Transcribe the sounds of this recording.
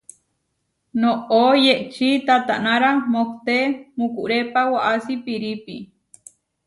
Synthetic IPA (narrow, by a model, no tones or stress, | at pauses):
noʔojeʔt͡ʃit̪at̪aʔnaɾamokt̪emukuʔɾepawaʔasipiɾipi